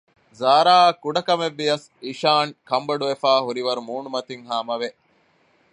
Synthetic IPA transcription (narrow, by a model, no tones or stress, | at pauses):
zaːɾaːkːuɖɐkɐmeʋːiɐs | iʃaːŋkɐmbɐɖuʋefaːɦuɾiʋɐɾumuːnumɐt̪iŋɦaːmɐʋe